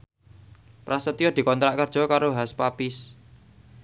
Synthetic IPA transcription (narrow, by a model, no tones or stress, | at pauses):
pɾasət̪ijɔd̪̥i̤kɔnt̪ɾaʔkərd̥ʒ̥ɔ̤kaɾoɦaspapɪs